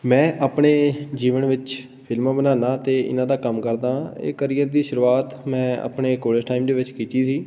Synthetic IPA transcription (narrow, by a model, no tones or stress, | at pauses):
mɛ̃ːʔaːpɳeːd͡ʒiːʋəɳʋɪt͡ʃ | pʰɪlmãːbənaːnaːt̪eːʔɪ̰nãːd̪aːkəmkəɾd̪ãːḛːkəɾijəɾd̪iːʃʊɾuːaːt̪mɛ̃ːa̰ːpɳeːkoːləsʈaːimd̪eːʋɪt͡ʃkit͡ʃiːsiː